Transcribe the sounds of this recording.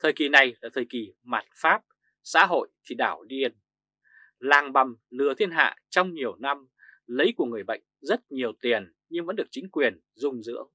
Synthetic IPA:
t̪ʰəː˨˩jki˨˩na˨˩jlaː˨˩t̪ʰəː˨˩jki˨˩ma˨˩t̚faː˦˥p̚ | sa̰ː˧˥ɦo̰˧˨jt̪ʰi˨˩ɗaː˧˩wɗi˧ən | laː˨˩ŋɓa˨˩mlɨ˨˩ət̪ʰi˧ənɦa̰ː˧˨t͡ɕɔ˧wŋ͡mɲi˨˩əwna˧m | lə˨˦jku˧˩əŋɨ˨˩əjɓə̰˧˨jŋ̟zə˦˥t̚ɲi˨˩əwt̪i˨˩ən | ɲɨ˧ŋvə̰˧˥nɗɨ˨˩ək̚t͡ɕï˨˦ŋ̟kwi˨˩ən | zʊ˧ŋ͡mzɨ̰˧˥əw

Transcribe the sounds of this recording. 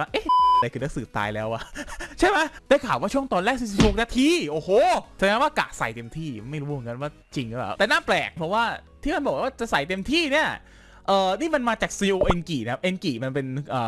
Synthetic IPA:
waː˥˩ʔe˦˥˩a˧a˧jkʰɯː˧na˦˥ksɯː˨˩˦t̪a̰ː˧jlɛː˦˥wʔa̰˨˩t͡ɕʰa˥˩jma˦˥jda˥˩kʰaː˨˩p̚waː˥˩u˥˩əŋt̪ɔː˧nɾɛː˥˩k̚si˧˩su˦˥k̚naː˧˥˩t̪ʰiː˥˩ʔoː˨˧˩hoː˧˩t͡ɕʰaː˨˩˧waː˥˩ka̰ː˨˩k̚sa˨˩jt̪e˧mt̪ʰiː˥˩˧nma˥˩jɾu˦m˨˩˦ŋka˧˦nwaː˥˩ | t͡ɕi˧ŋkːbɛ̰ː˨˩t̪ɛː˨˩naː˥˩plɛ̰ː˨˩k̚pʰɔ˧˩waː˥˩t̪ʰiː˥˩ma˧nbɔ˨˩k̚waː˥˩t͡ɕa˨˩ʔsa˨˩jt̪e˧mt̪ʰiː˥˩ni˥˩ɐ | ʔɤː˨˩niː˥˩ma˧nmaː˧t͡ɕaː˨˩k̚siː˧ʔoː˧ʔe˧nkiː˨˩˦kʰa˦˥pʔe˧nkiː˨˩ma˧npe˧nʔɤː˨˩

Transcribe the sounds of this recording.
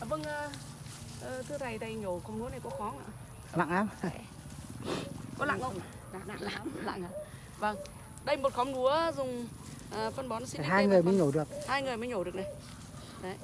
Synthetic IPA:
və˧ŋʔəː˧ | ʔəː˨˩t̪ɨ˧əna˨˩jɗə˧˩jɲo˧˩xkɔ˧˦wŋ͡mnu˨˦əna˨˩jkɔ˨˦xɔ˨˦ŋa̰ː˧˨ | la̰˧˨ŋlaː˨˦m | kɔ˨˦la̰ː˧˨ŋʔə̰˧˨wŋ͡m | la̰ː˧˨ŋla̰ː˧˨ŋlaː˧˨˩mla̰ː˧˨ŋaː˨˧˦ | və˧˩ŋ | ɗə˧jmo˨˩t̚xɔ˨˦ŋ͡mnu˨˦əzʊ˨˩ŋ͡m | ʔəː˨˩fə˧nɓɔ˨˦nsi˧˥i˨˩ɦaː˧jŋɨ˨˩əjməː˨˦jɲo˧˩ɗɨ˨˩ək̚haː˧jŋɨ˨˩əjmaː˨˦jɲo˧˩ɗɨ˨˩ək̚na˨˩j | ɗə˨˦j

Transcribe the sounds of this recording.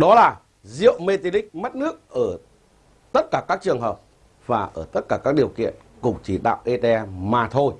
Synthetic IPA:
ɗɔ˨˦laː˨˩ | zḭ˧˨əwme˧t̪i˧lï˦˥k̟̚m˦˥t̚nɨ˦˥ək̚ʔəː˧˩ | t̪ə˦˥t̚kaː˧˩kaː˦˥k̚t͡ɕɨ˨˩əŋɦəː˨˩p̚ | v̥aː˨˩ʔəː˧˩t̪ə˦˥t̚kaː˧˩kaː˦˥k̚ɗi˨˩əwkḭ˧˨ən | kʊ˨˩ŋ͡mt͡ɕi˧˩ɗa̰ː˧˨wʔe˧t̪e˧ɛ˧maː˨˩t̪ʰo˧j

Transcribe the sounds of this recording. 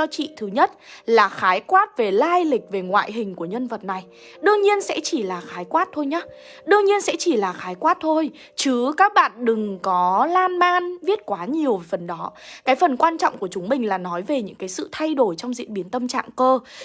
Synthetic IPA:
ɔ˧t͡ɕḭ˧˨t̪ʰɨ˨˦ɲə˦˥t̚laː˨˩xaː˨˦jkwaː˦˥t̚ve˨˩laː˧jlï˨˩k̟̚ve˨˩ŋwa̰ː˧˨jɦï˨˩ŋ̟ku˧˩əɲə˧nvə˨˩t̚na˨˩j | ɗɨ˧əŋɲi˧ənsɛ̰˧˥t͡ɕi˧˩laː˨˩xaː˨˦jkwaː˦˥t̚t̪ʰo˧jɲaː˨˦ | ɗɨ˧əŋɲi˧ənsɛ̰˧˥t͡ɕi˧˩laː˨˩xaː˨˦jkwaː˦˥t̚t̪ʰo˧j | t͡ɕɨ˨˦kaː˦˥k̚ɓa̰ː˧˨nɗɨ˨˩ŋkɔ˨˦laː˧nmaː˧nvi˦˥ət̚kwaː˨˦ɲi˨˩əwfə˨˩nɗɔ˨˦kaː˨˦jfə˨˩nkwaː˧nt͡ɕɔ̰˧˨wŋ͡mku˧˩ət͡ɕʊ˨˦ŋ͡mmï˨˩ŋ̟laː˨˩nɔ˨˦jve˨˩ɲɨ̰˧˥ŋkaː˨˦jsɨ̰˧˨t̪ʰa˧jɗo˧˩jt͡ɕɔ˧wŋ͡mzḭ˧˨nɓi˨˦ənt̪ə˧mt͡ɕa̰ː˧˨ŋkəː˧

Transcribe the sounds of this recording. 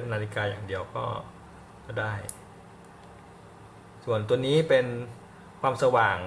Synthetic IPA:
t̪ʰːa˧naː˧t̪ʰi˦˥kaː˧jaː˨˩ŋdi˧əwkɔː˥˩ | daː˥˩j | su˨˩ənt̪u˧əniː˦˥pe˧n | kwaː˧msa˧waː˨˩ŋ

